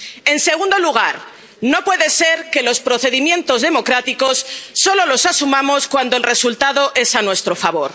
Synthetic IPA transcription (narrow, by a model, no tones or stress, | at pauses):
e̞nse̞ɣ̞und̪o̞luɣ̞aɾ | no̞pwe̞ðe̞se̞ɾke̞lo̞spɾo̞θe̞ðimjẽ̞nt̪o̞zðe̞mo̞kɾat̪iko̞sːo̞lo̞lo̞sasumamo̞skwand̪olre̞sult̪aðo̞ʔe̞sanwe̞st̪ɾo̞faβo̞ɾ